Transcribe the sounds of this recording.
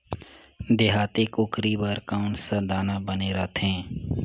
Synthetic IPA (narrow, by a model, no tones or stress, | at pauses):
d̪eɦaːt̪ɪkʊkɾibəɾkaʊɳʈsəd̪aːnabəneɾət̪ʰɦɛ̃ː